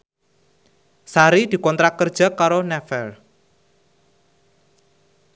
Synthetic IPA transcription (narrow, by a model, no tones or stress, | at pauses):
saɾid̪̥i̤kɔnt̪ɾakərd̥ʒ̥a̤kaɾonɛfɛl